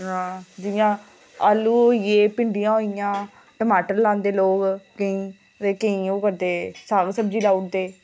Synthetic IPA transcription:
ɦãːd͡ʒɪjãː | aluːjeːpɪɳɖijãːɦoːɪjãː | ʈəmaːʈəɾlãːnd̪eːloːɡkəĩː | t̪eːkəĩːoːkəɾd̪eːsaːɡsəb̚d͡ʒiːlaːuʈ̚d̪eː

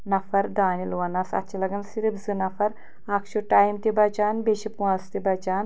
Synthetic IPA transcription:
nɐfɐɾd̪aːnilʋɐnɐsɐ̰tːt͡ʃilɐɡɐnsiɾibzɨnɐfɐɾ | aːkʃuʈaːjmt̪ibɐd͡ʒaːnbeʃipuaːst̪ibɐd͡ʒaːn

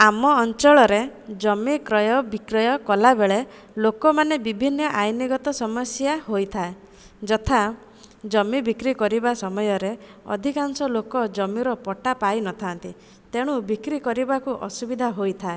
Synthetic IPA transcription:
amɔːnt͡ʃɔɭɔɾed͡ʒɔmikɾɔjɔbikɾɔjɔkɔlabeɭe | lokɔmanebibʱinːɔʔajniɡɔt̪ɔsɔmɔsjaɦojt̪ʰae | d͡ʒɔt̪ʰa | d͡ʒɔmibikɾikɔɾibasɔmɔjɔɾeɔ̰d̪ʱikansɔlokɔd͡ʒɔmiɾɔpɔʈapajnɔt̪ʰant̪i | t̪eɽ̃ubikɾikɔɾibakuʔɔ̰subid̪ʱaɦojt̪ʰae

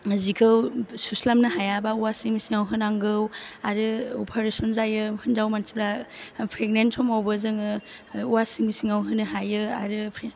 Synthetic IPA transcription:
azikʰɯwsuslamnɯɦajabauwasiŋmisiŋawɦɯnaŋɡɯwaɾɯɔpʰaɾesɔnzajɯhɯnzawmansibɾapʰɾeɡ̚nensʰɔmawbɯzɯŋɯ | uwasiŋmisiŋawɦɯnɯɦajɯa̰ɾɯpʰɾ

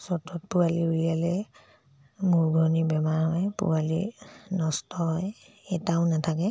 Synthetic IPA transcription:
sɔtɔt̚pualiulijalɛ | muɹɡʱɔnibɛmaɹhɔjpṵwalḭnɔstɔɦɔj | ɛtaʊnatʰakɛ

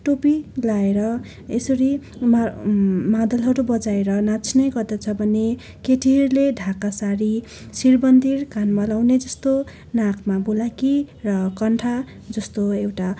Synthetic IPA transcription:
ʈopilaeɾʌ | esʌɾim | mad̪ʌlɦʌɾubʌd͡zaeɾʌnat͡sʰnʌjɡʌrd̪ʌt͡sʰʌbʱʌne | keʈʰirleɖʱakasaɾi | sirbʌnd̪irkanmʌlawned͡zʌst̪o | nakʰmabulaki | rʌkʌɳʈʰa | d͡zʌst̪oewʈa

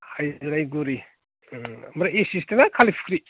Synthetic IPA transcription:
hajzɾajɡuɾi | mɾaesistenakʰalipʰikʰɾi

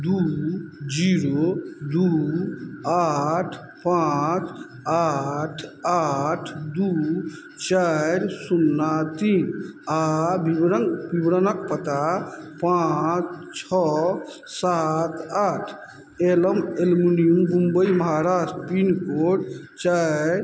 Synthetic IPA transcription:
d̪ud͡ʒiɾod̪u | aʈʰ | pat͡ʃ | aʈʰaʈʰd̪u | t͡ʃaɾsunːat̪inabiɾəŋbibɾənək̚pət̪apat͡ʃt͡ʃʰɔ | sat̪aʈʰ | eləmelminijumbũmbəjməɦaɾasʈpinkoʈt͡ʃaɾ

